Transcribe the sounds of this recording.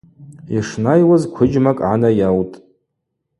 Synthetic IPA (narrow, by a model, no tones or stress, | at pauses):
iʂnajwazkʷʰʊd͡ʒmakʼʕanajawtʼ